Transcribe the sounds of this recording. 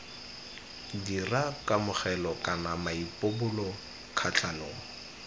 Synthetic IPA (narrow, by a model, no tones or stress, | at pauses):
dirakʼamʊχɛlɔkʼanamaipʼobʊlɔ | kʰat͡ɬʰʼanoːŋ̩